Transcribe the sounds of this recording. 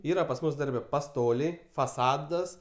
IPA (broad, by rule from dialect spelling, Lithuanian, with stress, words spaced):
ˈiːrɐ pɐs ˈmʊs ˈdɐrʲbʲɛ pɐˈstoːlʲɛɪ fɐˈsɑːdɐs